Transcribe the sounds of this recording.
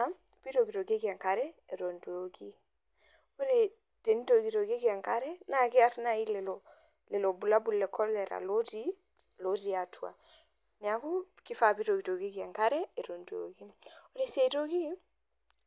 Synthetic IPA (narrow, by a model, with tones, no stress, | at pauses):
a˦ | b̥i˦ɾo˨ɡi˨ɾo˨ɡi˦ɡe˨ŋka˨ɾɛ˦e˨ɾo˨ndo˨ɡi˦ | o˦ɾe˨ | d̥e˨n˦do˨ɡi˨ɾo˨ɡi˦ke˨ŋka˦ɾɛ˦na˦ki˦a˦ɾna˦i˦lɛ˨lo˨ | lɛ˨lo˨bu˨la˦bu˨lːɛ˨kʰɔ˦lːɛ˨ɾa̰˨lo˦di˦ | lo˨˦di˨a˨tʰu˦a̰˨ | ni˨a˨ku˦ki˦fa˨bi˦ɾo˨ɡi˨ɾo˨ɡi˦ɡe˨ŋka˦ɾe˦e˨ɾo˨ndu˨o̰˨ɡi˦o˦ɾe˨se˦ɾo˦ɡi˦